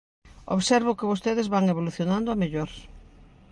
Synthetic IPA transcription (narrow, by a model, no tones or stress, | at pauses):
o̰βsɛɾβʊkɪβost̪eðɪzβaŋeβ̞oluθjonãnd̪ʊameʎoɾ